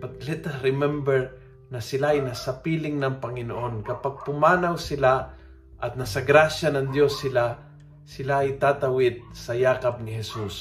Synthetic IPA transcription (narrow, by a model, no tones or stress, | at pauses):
pat̪lɛt̪ɐɾɪmɛmbɛɹ | nɐsɪlaɐjnasɐpilɪŋnɐŋpɐŋɪnoʔonkɐpaɡ̚pʊmaːnawsɪla | ʔɐt̪̚nasɐɡɾaʃjanɐŋd̪josːɪla | sɪlaːjt̪aːt̪ɐwɪd̪̚sɐjaːkɐp̚nɪhɛsus